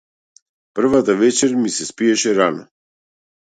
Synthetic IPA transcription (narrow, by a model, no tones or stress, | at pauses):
pr̩ʋat̪aʋet͡ʃeɾmisespijeʃɛɾana̰